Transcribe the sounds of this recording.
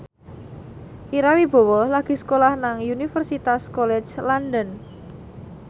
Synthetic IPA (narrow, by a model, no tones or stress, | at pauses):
ʔiɾawib̥ɔ̤wɔlaɡ̥i̤skolahnaŋjunifərsit̪askɔlɛt͡ʃland̪ən